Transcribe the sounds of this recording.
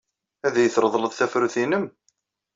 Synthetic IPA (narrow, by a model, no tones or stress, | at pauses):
æðæjəθɾˤəðˤləðˤθæfɾuθinəm